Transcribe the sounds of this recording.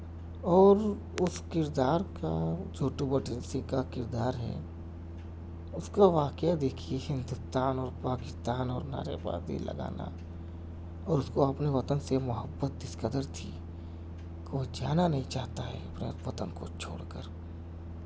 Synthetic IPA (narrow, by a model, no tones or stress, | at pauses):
ɔːɾ | ʊskɪɾd̪aːɾkad͡ʒoːʈubəʈənsĩkakɪɾd̪aːɾɦɛ̰ | ʊskaʋaːkjad̪eːkʰiehɪ̃nd̪ʊst̪aːnɔːɾpaːkɪst̪aːnɔːɾna̰ːɾḛba̰ːd̪ḭlə̰ɡa̰ːna̰ | ɔːɾʊskoɐpneʋɐt̪ənsemʊɦəbːət̪̚d̪ɪskəd̪əɾt̪ʰi | kod͡ʒaːnanəɦĩt͡ʃaːɦt̪aɦɛ̰ɐpnḛʋɐt̪ə̰nko̰t͡ʃʰo̰ːɽkəɾ